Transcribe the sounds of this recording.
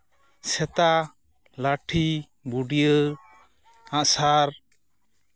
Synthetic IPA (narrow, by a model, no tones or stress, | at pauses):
sɛt̪a | laʈʰi | buɖijə | ãʔsaɾ